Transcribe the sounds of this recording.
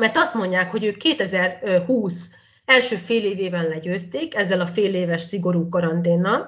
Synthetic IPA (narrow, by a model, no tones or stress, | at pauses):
mɛrt̪ɒst̪mo̞ɲɟaːkho̞ɟøːkːeːt̪ɛzɛrhuːs | ɛlʃøːfeːleːveːvɛnlɛɟøːst̪eːkɛzːɛlɒfeːleːvɛʃsiɡo̞ɾuːkɒɾɒnt̪eːnːɒl